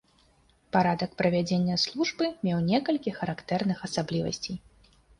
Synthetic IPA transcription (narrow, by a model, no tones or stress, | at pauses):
paɾad̪ɐkpɾɐvʲad͡zʲenʲːɐslˠuʐbɨmʲɛwnʲɛkɐlʲkʲixɐɾakt̪ɛrnɨxɐsablʲivɐ̰sʲt͡sʲij